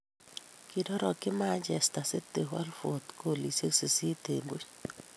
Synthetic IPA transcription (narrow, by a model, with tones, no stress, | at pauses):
ki˨dɔ˦ɾɔ˨kɪ˦ma˦d͡ʒɛ˨sta˨se˦te˨ɦwa̰˦lfo˨t̪kʰo˦˨li˨se˦ksi˨si˦te˨mbo˦t͡ʃ